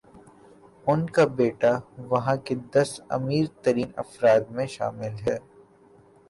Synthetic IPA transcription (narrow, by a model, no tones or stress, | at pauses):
ʊnkabeːʈaʋɐɦãked̪ɐsɐ̰miːɾt̪ɐɾiːnɐ̰fɾaːd̪mẽʃa̰ːmɪlɦɛː